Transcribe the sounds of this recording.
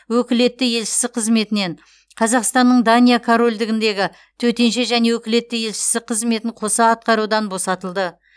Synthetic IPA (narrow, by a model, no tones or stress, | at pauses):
wɵkʲɪle̞t̪ːɪje̞lʃɪ̥sɪqʰəzme̞t̪ɪne̞ɴ | qʰɑzɑqst̪ɑnːəɴd̪anʲijakʰoɾo̞lʲd̪ɪɡʲɪnd̪e̞ɡʲɪ | t̪ʰɵt̪e̞nʃe̞ʒæne̞wɵkʲɪle̞t̪ːɪje̞lʃɪ̥sɪqʰəzme̞t̪ɪɴqʰo̞sɑːt̪̚qɑɾud̪ɑnbo̞sɑt̪əlˠd̪ə